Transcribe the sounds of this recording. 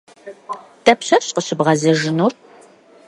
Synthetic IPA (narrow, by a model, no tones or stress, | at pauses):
tʰɐpɕɐɕʼqəɕɪbʁɐzɐʒɪnur